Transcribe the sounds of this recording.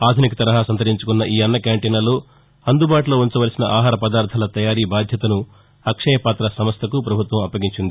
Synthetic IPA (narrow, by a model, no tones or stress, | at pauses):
aːd̪ʱunikɐt̪ɐɾɐɦaːsɐnt̪ɐɾiɲt͡ʃukunːɐʔiːɐnːɐkaːɳʈeːnɐloː | ɐnd̪ubaːʈulo̞ːuɲt͡ʃɐʋɐɾɐsinɐʔaːɦaːɾɐpɐd̪aːɾt̪ʰɐlɐt̪ɐjaːɾiːbaːd̪ʱjɐt̪ɐnu | ɐkʂɐjɐpaːt̪ɾɐsɐmɐst̪ɐkupɾɐbʱut̪ʋɐmɐpːɐɡiɲt͡ʃind̪i